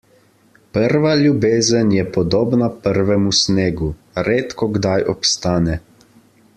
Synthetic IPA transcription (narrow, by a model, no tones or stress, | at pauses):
pəɾʋaljubeːzənjɛpɔd̪oːbnapəɾʋɛmusneːɡu | ɾeːt̪kɔɡd̪ajʔɔpst̪aːnɛ